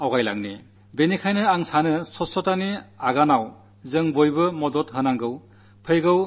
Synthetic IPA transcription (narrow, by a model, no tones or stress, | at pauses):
awɡajla̰ŋnḭ | benikʰajnɯaŋsanɯsɔsɔtaniaɡanaw | zɯŋbojbɯmɔdɔtɦɯnaŋɡɯw | pʰɯjɡɯw